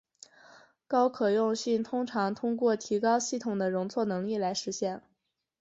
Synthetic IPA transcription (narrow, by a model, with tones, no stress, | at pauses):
kɑ˥ʊkʰɤ˨˩jʊ˥˧ŋɕi˥˩nt̪ʰʊ˥ŋʈ͡ʂʰɑ˧˥ŋt̪ʰʊ˥ŋkwɔ˥˩t̪ʰi˧˥kɑ˥ʊɕi˥˩t̪ʰʊ˨˩ŋd̪ə˦ɻʊ˧˥ŋt͡sʰwɔ˥˩nɤ˧˥ŋli˥˩la˧˥ɪʂɻ̩˧˥ɕjɛ˥˩n